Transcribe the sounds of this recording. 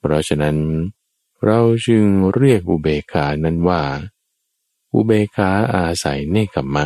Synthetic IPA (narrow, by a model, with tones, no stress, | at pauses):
pʰɾɔ˦˥t͡ɕʰa˧na˦˥n | ɾa˧wt͡ɕʰɯ˧ŋɾi˥˩ək̚ʔu˧beː˧kʰaː˨˦˥na˥˩nwaː˥˩ | ʔṵ˧beː˧kʰaː˦˥ʔaː˧sa̰˩˦jnaː˥˩kʰa˨˩mːa˧˥˩